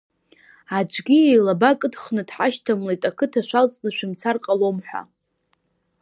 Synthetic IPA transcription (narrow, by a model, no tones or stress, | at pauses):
ad͡ʒʷʰʼɡʲiejlabakʼɨdχnɨdħaʃtʰamlajtʼakʰɨtʰaʃʷᶣalt͡sʼnɨʃʷᶣɪmt͡sʰarqʼalo̞mħʷᶣa̰